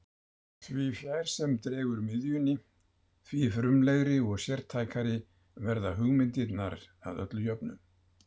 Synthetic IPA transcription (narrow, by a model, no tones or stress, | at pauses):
θvifjaːjɾ̥sɛmt̪ɾɛːɣʏɾmɪðjʏnːɪ | θvifɾʏmleɣɾɪɔɣsjɛɾ̥t̪ʰajkaɾɪ | vɛɾðaɦʏɣmɪnt̪ɪt̪naɾa̰ðœ̰t̪lʏjœpnʏ̰m